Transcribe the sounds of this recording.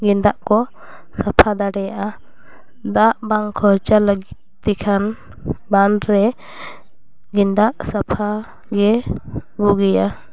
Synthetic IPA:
ɡind̪aʔkɔ | sapʰad̪aɽɛjaʔa | d̪aʔbaŋkʰɔɾt͡ʃaləɡit̪̚t̪ɛkʰan | banɾɛ | ɡind̪aʔsapʰa | ɡɛbuɡɛja

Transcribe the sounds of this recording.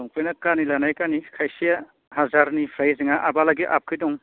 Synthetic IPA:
ɔŋpojnɐkanilanajkanikʰajsija | hazaɾnipʰɾajziŋaʔabalaɡiʔa̰p̚kʰidɔŋ

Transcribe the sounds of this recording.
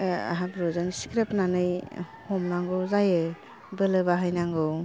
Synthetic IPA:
a̰ɦabɾɔzɯŋskɾepnanɯj | hɔmnaŋɡɯwzajɯ | bɯlɯβaɦajnaŋɡɯw

